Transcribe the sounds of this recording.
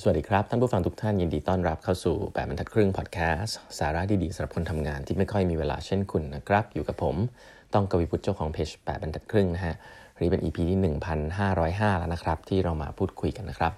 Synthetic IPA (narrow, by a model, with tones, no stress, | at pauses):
sa˨˩a˨˩diː˧kʰɾa˦˥p̚t̪ʰa˥˩pʰu˥˩fa˧ŋt̪ʰu˦˥kt̪ʰa˥˩nji˧ndiː˧t̪ɔː˥˩nɾa˦˥p̚kʰa˥˩wsṵː˨˩pɛː˨˩t̚a˧ntʰa˨˩t̪̚kʰɾɯ˥˩ŋpʰɔː˨˩t̪̚kʰɛː˦˥saː˩˦ɾa˦˥t̪ʰiː˧˩diː˧sa˩˦mɾa˨˩p̚kʰo˧nt̪ʰa˧mŋaː˧nt̪ʰiː˥˩ma˥˩jkʰɔ˥˩jmiː˧weː˧la̰ː˧t͡ɕʰe˥˩nkʰu˧nːa˦˥kʰɾa˦˥p̚juː˨˩ka˨˩pʰːo˩˦m | t̪ɔ˥˩ŋka˧wi˦pʰu˦˥t̪̚t͡ɕa˥˩wkʰɔː˨˦ŋpʰeː˦˥t͡ɕpɛ̰ː˨˩ba˧ntʰa˨˩t̪̚kʰɾɯ˥˩ŋna˦˥kʰa˦˥ʔ | ɾɯː˩˦˥pe˧nʔiː˧pʰiː˧t̪ʰiː˥˩nɯ˨˩ŋpʰa˧nɦaː˥˩ɾɔː˦˥jɦaː˥˩la̰˦˥na˦˥kʰɾa˦˥p̚t̪ʰiː˥˩ɾa˧wma̰ː˧pʰuː˥˩t̪̚kʰu˧jka˧nːa˦˥kʰɾa˦˥p̚